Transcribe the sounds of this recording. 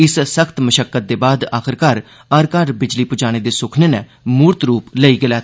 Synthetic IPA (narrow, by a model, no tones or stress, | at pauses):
ɪssəkʰt̪məʃəkːət̪̚d̪eːbaːd̪a̰ːkʰɪɾkaɾ | əɾkaːɾbɪd͡ʒliːpʊd͡ʒaːñeːd̪eːsʊkʰneːnɛː | muːɾt̪ɾuːpləiːɡɪlɛːt̪ʰː